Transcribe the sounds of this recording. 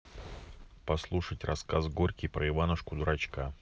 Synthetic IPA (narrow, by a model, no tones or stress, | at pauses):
pɐslˠuʂətʲrɐskazɡorʲkʲɪjpɾəɪvanəʂkʊd̪ʊɾɐt͡ɕka